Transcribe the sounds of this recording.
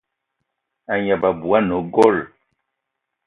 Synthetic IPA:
a˨ɲa˨ba˨bu˨a˦no˨˦ɡɔ˦˨l

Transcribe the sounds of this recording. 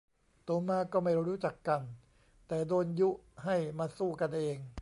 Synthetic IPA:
t̪oː˧maː˧kɔː˥˩ma˥˩jɾuː˦˥t͡ɕa˨˩kːa˧n | t̪ɛː˨˩doː˧nju˦˥ha˥˩jmaː˧suː˥˩ka˧nʔeː˧ŋ

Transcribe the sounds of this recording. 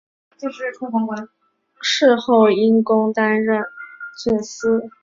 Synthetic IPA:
t͡ɕi˥˧ʂɻ̩˥˩ʈ͡ʂʰʊ˧˥fɑ˧˥ŋkwa˧˥n | ʂɻ̩˥˧xo˥˩ʊi˥nkʊ˥ŋt̪a˥nɻə˥˩nt͡sʰə˨˩ns̩˥

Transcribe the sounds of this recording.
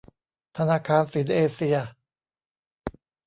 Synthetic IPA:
t̪ʰa˧naː˧kʰaː˧nsi˩˦nʔeː˧si˧ɐ

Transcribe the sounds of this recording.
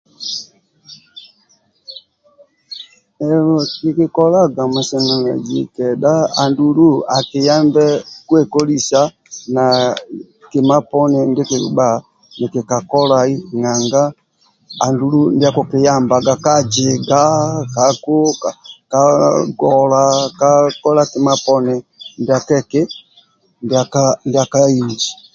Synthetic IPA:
ɛ˨ɔ˨ki˨ki˨kɔ˦la˦ɡa˨mɛ˨sɛ˨na˨na̰˨d͡ʒi˨kɛ˨ɗa˦a˨ndu˨lu˦a˨kɪ˨ja˦mbɛ˦kwɛ˨kɔ˦li˦sa˦ | na˨ | ki˨ma˦pɔ˦nɛ˦˨nde˦ki˨ba˦˨ | ni˨ki˨ka˨kɔ˦la˨i˦ŋa˨ŋɡa˦ | a˨ndu˨lu˦ndi˦a˦ku˨ki˨ja˦˨mba˨ɡa˨ka˦d͡ʒɛ˨ɡa˦ka˨ku˦kaka˨ɡɔ˨la˨ka˦kɔ˦la˦ki˨ma˦pɔ˦nɛ˨nda˨kɛ˦kɛ˦ | nda˨ka˦nda˨ka˦i˨ɲd͡ʒi˨

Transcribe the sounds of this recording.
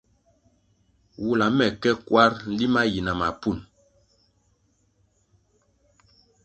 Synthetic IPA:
wu˦la˨mɛ˨kɛ˦kwa˦ɾn̩˦li˦ma˦ji˨na˨ma˨pu˦˨n

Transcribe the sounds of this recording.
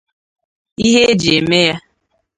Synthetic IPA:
i˦ɦe˦e˦d͡ʒe˨me˦ja˦

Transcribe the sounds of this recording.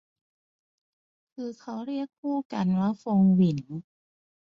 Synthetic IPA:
kʰɯː˧kʰa˦˥wɾi˥˩ək̚pʰuː˥˩ka˧nwa˦˥fo˧ŋwi˩˦n

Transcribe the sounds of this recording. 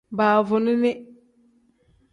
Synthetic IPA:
baː˨vʊ˨nɪ˦nɪ˦

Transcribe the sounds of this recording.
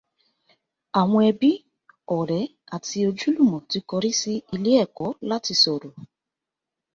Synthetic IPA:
a˨ŋʷ˦e˨bi˦ | ɔ˨ɾɛ˨˦ | a˨ti˦o˨d͡ʒu˦lu˦˨mɔ˨ti˨˦kɔ˨ɾi˦si˧i˨li˦ɛ˦˨kɔ˨˦la˦ti˨so˨ɾo˨

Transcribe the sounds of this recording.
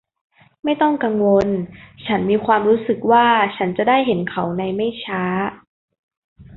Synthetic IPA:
ma˥˩jt̪ɔ˥˩ŋka˧ŋwo˧nt͡ɕʰa˦˥nmiː˧kʰwaː˧mɾuː˦˥sɯ˨˩k̚waː˥˩t͡ɕʰa˦˥nt͡ɕa˨˩daː˥˩jɦe˩˦nkʰa˩˦wna˧jma˥˩jt͡ɕʰaː˦˥

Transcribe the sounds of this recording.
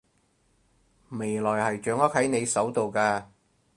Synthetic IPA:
me˨˩jlɔː˨˩jhɐ˨jt͡ʃœː˨˧˥ŋɐ˥k̚hɐ˨˥jne˨˧jsɐ˨˥wt̪o˨wkaː˧

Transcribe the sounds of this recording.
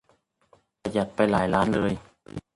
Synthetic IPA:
pa˧ja˨˩t̪̚pa˧jlaː˩˦jlaː˦˥nlɤː˧j

